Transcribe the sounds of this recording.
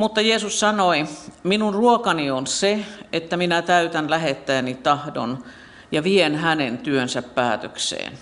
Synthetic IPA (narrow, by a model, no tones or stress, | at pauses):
mut̪ːɑjeːsussɑnoiminunruokɑnionseet̪ːæminæt̪æyt̪ænlæhet̪ːæːnit̪ɑhdo̰n | jɑʋienhænent̪yønsæppæːt̪ø̰ksḛːn